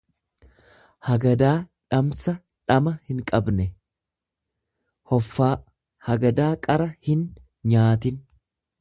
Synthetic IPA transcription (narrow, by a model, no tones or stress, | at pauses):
hɐɡɐd̪aːᶑɐmsɐ | ᶑɐmɐhɪŋkʼɐbnɛ | hɔfːaː | hɐɡɐd̪aːkʼɐɾɐhɪn | ɲaːt̪ɪn